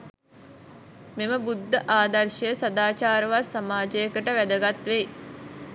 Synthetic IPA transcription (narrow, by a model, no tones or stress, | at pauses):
meməbud̪ʱːəʔaːd̪ɐrʃəjəsad̪aːt͡ʃaːɾəʋasamaːd͡ʒəjəkəʈəʋæd̪əɡat̪ʋej